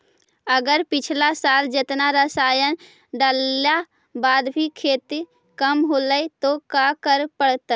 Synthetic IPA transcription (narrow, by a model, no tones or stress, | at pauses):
əɡəɾpit͡ʃʰlasald͡ʒet̪naɾəsajən | ɖəlja | bad̪bʱikʰet̪i | kəmɦoləjt̪okakəɾpəɽt̪ə